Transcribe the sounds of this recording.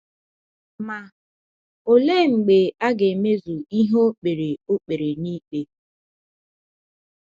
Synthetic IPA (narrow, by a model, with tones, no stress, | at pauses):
ma˨ | o˨le˦ŋ͡m̩˨ɡ͡be˨a˦ɡe˨me˦zu˨i˦ɦo˦k͡pe˨ɾe˨o˦k͡pe˨ɾe˨niː˦k͡pe˦